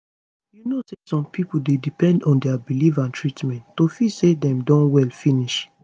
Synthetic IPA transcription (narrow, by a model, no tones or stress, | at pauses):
junosesɔ̃mpipudedipɛ̃ndɔ̃ndɛabilivãntɹitmɛ̃nttːofisedɛ̃mdɔ̃nwɛlfiniʃ